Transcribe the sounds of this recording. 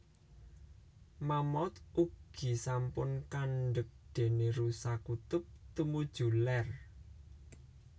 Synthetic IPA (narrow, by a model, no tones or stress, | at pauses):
mamɔt̪uɡ̥i̤sampʊnkanɖək̚d̪̥e̤neɾusakut̪ʊp̚t̪umud̥ʒ̥ṳlɛr